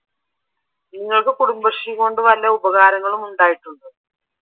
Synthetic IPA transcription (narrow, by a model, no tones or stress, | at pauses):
niŋːɐɭkɨkuɽumbɐʂiko̞ːɳɖɨʋɐlːɐubɐɣaːɾɐŋːɐɭumuɳɖaːjiʈːuɳɖɨ